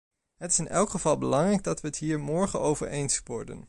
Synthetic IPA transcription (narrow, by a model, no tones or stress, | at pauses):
ɦətɪ̥sɪnɛlˠkχəvɑlˠbəlɑŋrɛjɡ̚dɑtʋəətɦiːɹmɔɹχənowvə̰ɹejnsʋɔɹdə̰n